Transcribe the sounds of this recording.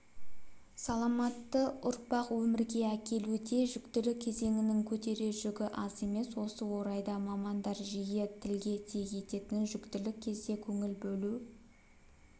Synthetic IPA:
sɑlˠɑmɑt̪ːəʊɾpɑqwɵmɪɾɡʲe̞ækʲʰe̞lud̪e̞ʒʏkt̪ɪlɪkʲʰːe̞ze̞ŋɪnɪŋkʲʰɵt̪e̞ɾe̞ʒʏɡʲɪʔɑze̞me̞swo̞səwo̞ɾɑjd̪ɑmɑmɑnd̪ɑɾʒijet̪ʰɪlɡʲe̞t̪ʰe̞ɡʲe̞t̪e̞t̪ɪnʒʏkt̪ɪlɪkʲʰːe̞zd̪e̞kʲʰɵŋɪlbɵlu

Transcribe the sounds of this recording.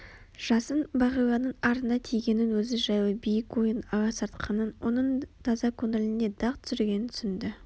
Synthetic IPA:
ʒ̥ɑsənbɑʁijlˠɑnəɴɑɾənɑt̪ʰijɡʲe̞nɪnwɵzɪʒɑjwˠəbijɪkwojənɑʁɑsɑɾt̪qʰɑnənwo̞nəɴt̪ʰɑzɑkʰonelɪne̞d̪ɑqt̪ʰʏ̥sʏɾɡʲe̞nɪnt̪ʰʏ̥sɪnd̪ɪ

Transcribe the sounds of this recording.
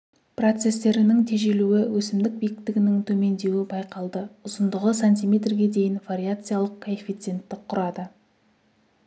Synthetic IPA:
pro̞t̪se̞st̪e̞ɾɪnɪŋt̪ʰe̞ʒe̞luɪwɵsɪmd̪ɪk̚bijɪk̚t̪ɪɡʲɪnɪŋt̪ʰɵme̞nd̪e̞wɪbɑjqɑlˠd̪əʊzənd̪əʁəsanʲt̪ʲijmʲe̞t̪rɡʲe̞d̪e̞jɪnvaɾʲiat̪sɨjalˠəqkʰoefʲit̪sɨe̞nt̪ːɪqʰʊɾɑd̪ə

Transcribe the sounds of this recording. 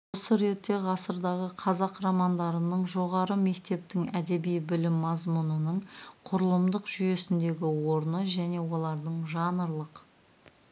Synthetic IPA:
wosəɾe̞t̪ːe̞ʁɑsəɾd̪ɑʁəqʰɑzɑqɾɑmɑnd̪ɑɾənəɴʒo̞ʁɑɾəme̞kt̪e̞p̚t̪ɪŋæd̪e̞bijbɪlɪmːɑzmunənəɴqʰʊɾəlˠəmd̪əqʒʏje̞sɪnd̪e̞ɡʲɪwo̞ɾnəʒæne̞wo̞lˠɑɾd̪əɴʒɑnəɾlˠəq

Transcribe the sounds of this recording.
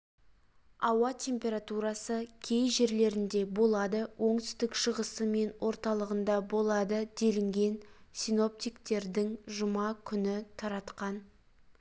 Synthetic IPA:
ɑwɑt̪ʲʰe̞mpʲe̞ɾat̪uɾɑsəkʲʰe̞jʒe̞ɾle̞ɾɪnd̪e̞bolˠɑd̪əwʔo̞ɴt̪ʏ̥st̪ɪkʃəʁəsəme̞nwʔo̞ɾt̪ɑlˠəʁənd̪ɑbo̞lˠɑd̪əd̪̥e̞lɪŋɡʲe̞nsino̞p̚t̪ijkt̪e̞ɾd̪ɪŋʒʊmɑkʲʰʏnɪt̪ʰɑɾɑt̪qɑn

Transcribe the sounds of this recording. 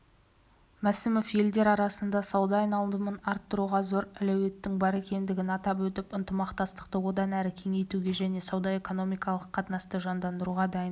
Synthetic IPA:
mæsɪmofje̞ld̪e̞ɾɑɾɑsənd̪ɑsɑwd̪ɑːjnɑlˠd̪əmənɑɾt̪ːəɾuʁɑzo̞ɾælæwe̞t̪ːɪŋbɑɾe̞kʲe̞nd̪ɪɡʲɪnɑt̪ɑp̬wɵt̪ɪpənt̪əmɑqt̪ɑst̪ə̥qt̪əwo̞d̪ɑnæɾɪkʲʰe̞ŋe̞jt̪uɡʲe̞ʒæne̞sɑwd̪ɑe̞ko̞no̞mijkɑlˠəqʰːɑt̪nɑst̪əʒɑnd̪ɑnd̪əɾuʁɑd̪ɑjən

